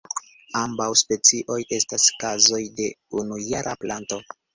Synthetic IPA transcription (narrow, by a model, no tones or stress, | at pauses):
ambawspe̞t͡siʔo̞je̞staskazo̞jde̞unujaɾʔa̰planto̞